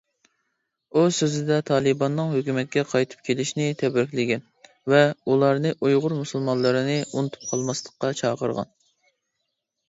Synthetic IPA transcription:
usøzɪd̪ɛt̪ʰɑːlˠɨbɑnːɨŋɦøkʲymɛt̪̚kʲɛqʰɑjt̪ʰɨ̥p̚kʲʰelɪʃnɪt̪ʰɛbɪɾkʲlɪɡʲɛn | vɛulˠɑɾnɨʔujʁʊɾmusulˠmɑnlˠɨɾɨnɨunɨt̪ʰu̥p̚qʰɑlˠmɑslˠəqqːɑt͡ʃʰɑːqəɾʁɑ̰n

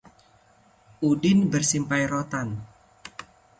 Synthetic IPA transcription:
ʔudɪnbərsimpajɾot̪an

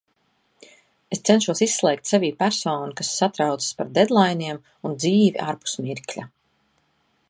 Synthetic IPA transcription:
est̪sɛnʃuɔsisːlˠɛːk̚t̪saviːpæɾsɔːnukasːat̪ɾawt̪sə̥spaɾd̪ed̪lˠajniɛm | und̪ziːviʔaɾpu̥smiɾklʲa

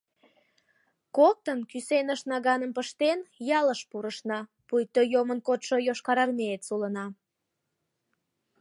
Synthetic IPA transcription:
kok̚t̪ənkysenəʃnɑɣɑnəmpəʃt̪enjɑləʃpuɾəʃnɑ | pujt̪øjomənkot̪ʃojoʃkɑɾɑrmeet̪sulənɑ

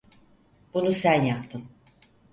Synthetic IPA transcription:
b̥unusænjap̚t̪ʰɯm

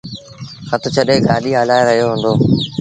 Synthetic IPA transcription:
xət̪ʰʊt͡ʃʰəɗeːɡaːliːɦaːlaːeɾəɦijoɦʊ̃nd̪oː

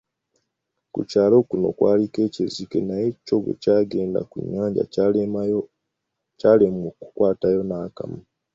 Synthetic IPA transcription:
kṵcaːlo̞kuno̞̰kwaːlike̞ːcezike̞naje̞co̞βḛcaːɡe̞ːnda̰kṵɲːaːɲɟa̰ | caːlemuoku̥kwaːtajo̞naːka̰ma

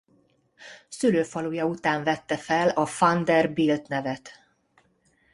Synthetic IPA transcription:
syløːfɒluːjɒut̪aːɱvɛt̪ːɛfɛlɒfɒnd̪ɛrbiːlt̪nɛvɛt̪

